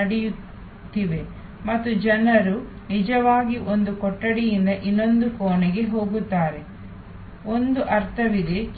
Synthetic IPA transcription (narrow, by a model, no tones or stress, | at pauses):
ɐɽɛju | t̪ːiʋe̞ | mɐt̪ːud͡ʒɐnɐɾu | nid͡ʒɐʋaːɡiʔo̞nd̪ukɔʈːɐɽijind̪ɐʔinːo̞nd̪ukoːnɛɡe̞ɦo̞ːɡut̪ːaːɾe̞ | o̞nd̪uʔɐɾt̪ʰɐʋid̪et͡ʃ